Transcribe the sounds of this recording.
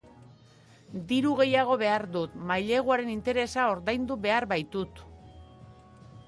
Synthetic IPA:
d̪iɾuɣ̞e̞jaɣ̞o̞βe̞aɾd̪ut̪majʎe̞ɣ̞uaɾe̞nint̪e̞ɾe̞sao̞ɾðajnd̪uβe̞aɾβajt̪ut̪

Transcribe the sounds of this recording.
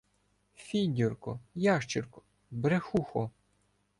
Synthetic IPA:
fʲinʲdʲurkɔjɑʃt͡ʃɪrkɔ̥ | bɾexuxɔ

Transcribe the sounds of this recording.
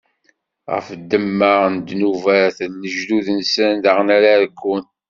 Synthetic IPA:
ʁə̰fd̪ːəmːəʁnd̪nuvæɾθənːəʒd̪uðənsənd̪əʁnæɾaðkːun

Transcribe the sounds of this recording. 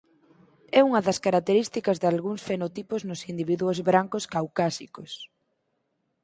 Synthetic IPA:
ɛuŋɐðɐskaɾak̚t̪eɾist̪ikɐzðalɣuŋsfenot̪ipʊznʊsind̪iβiðuozβɾaŋkʊskawkasikos

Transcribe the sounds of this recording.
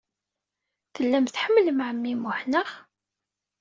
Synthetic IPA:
θəlːæmθħəmːləmʕəmːimʊħnəχ

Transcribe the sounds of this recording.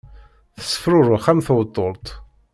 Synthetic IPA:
θə̥sːə̥fɾʊɾˤʊχæmθwət̪ˤːolt̪ˤ

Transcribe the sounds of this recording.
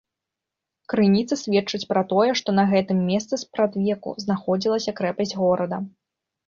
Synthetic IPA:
kɾɨnʲit̪sɐsʲvʲɛt͡ʂɨt͡sʲpɾɐt̪ɔjɛʂt̪ɔnɐɣɛt̪ɨmːʲɛst̪sɨspɾad̪vʲɛkṵznaxɔd͡zʲilˠɐsʲɐkɾɛpɐzʲɣɔɾɐd̪ɐ

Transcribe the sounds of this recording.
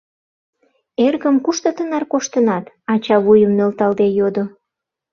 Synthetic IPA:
erɣəmkuʃt̪ə̆t̪ənɑrkoʃt̪ənɑt̪ | ɑt͡ɕɑβujəmnølt̪ɑld̪ejod̪o

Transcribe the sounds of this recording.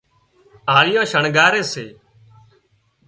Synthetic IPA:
aːlɪjãːʃəɳɡaːɾeːseː

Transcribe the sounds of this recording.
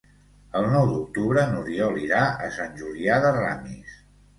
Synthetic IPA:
əlˠnɔwd̪uk̚t̪uβɾənuɾiɔliɾaəsanʲʒuliaðəra̰mis

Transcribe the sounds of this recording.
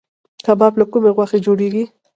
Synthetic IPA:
kabɑblakumeɣwaxed͡ʒoɽeɡi

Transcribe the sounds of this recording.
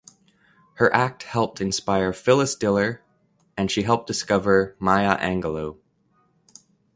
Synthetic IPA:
hə˞ʔæk̚t̚hɛlˠp̚tʰɨ̃nspaɪə˞fɪlˠəsd̥ɪlˠə˞ | ɨ̃nʃiɦɛlˠp̚d̥ɨskʌvə˞maɪəʔæ̃ŋɡəloʊ

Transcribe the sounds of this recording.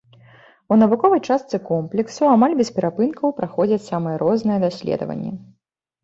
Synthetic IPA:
unɐvukɔvɐjt͡ʂast̪sɨkɔmplʲɛksuamalʲbʲɛspʲɛɾapɨnkɐwpɾaxɔd͡zʲɐt͡sʲsamɨjɛɾɔznɨjɛd̪asʲlʲɛ̰d̪ɐ̰vɐ̰nʲːɛ̰

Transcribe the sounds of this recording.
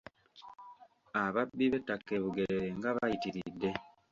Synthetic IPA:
aβabːiβe̞takːe̞βuɡe̞eɾe̞ŋɡaβajitiɾidːe̞

